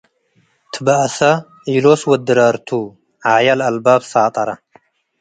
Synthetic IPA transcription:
t̪ʰɨbɐʔɐsɐ | iloswɐd̪ːɨɾɐɾt̪ʰu | ʕajɐlɐlbabsaːt̪ʼɐɾɐ

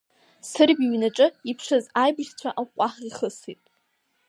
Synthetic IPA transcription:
sɨrbiɥnaʈ͡ʂʼɨipʰʂɨzajbɨʃt͡sʷʰaʔaqʷʼaχiχəsitʼ

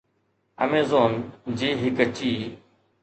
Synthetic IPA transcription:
ə̰meːzoːnd͡ʑiːɦɪkət͡ɕiː

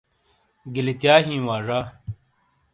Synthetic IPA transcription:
ɡilit̪jaːɦĩːwaːʐaː

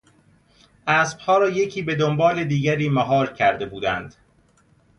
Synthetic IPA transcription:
ʔæːsb̥hɒːɾɒːje̞cʰiːbe̞d̪o̞mbɒːle̞d̪iːɡæɾiːmæɦɒːɾcʰæɾd̪e̞buːd̪ænd̪̥

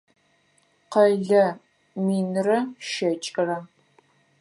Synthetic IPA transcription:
qɐɮɐ | miːnrɐʃɐt͡ʃʼɪrɐ

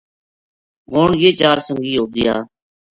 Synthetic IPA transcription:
ɦoːɳjeːt͡ʃaːɾsə̃ŋɡiːɦoːɡɪjaː

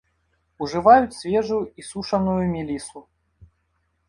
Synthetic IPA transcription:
uʐɨvajut͡sʲsʲvʲɛʐujuisuʂɐnujumʲilʲisu

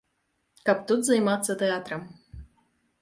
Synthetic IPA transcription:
kapt̪ut̪zɐjmat̪sːɐt̪ɛat̪ɾɐm

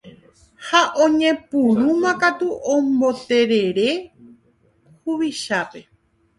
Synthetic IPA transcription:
haʔõɲẽ̞puɾumãkat̪uʔõmbo̞t̪e̞ɾe̞ɾe̞ | huβiʃape̞

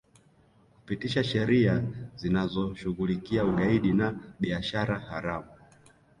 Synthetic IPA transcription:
ku̥pitiʃaʃɛɾiazinazɔʃuɣulikiauɠaiɗinaɓiaʃaɾahaɾamu

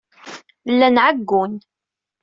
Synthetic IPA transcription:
lːænʕəɡːʊn

